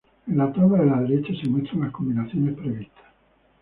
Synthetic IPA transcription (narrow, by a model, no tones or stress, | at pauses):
enlat̪aβaelaðeɾet͡ʃasemwest̪ɾanlaskombinaθjonespɾeβist̪ʰḁs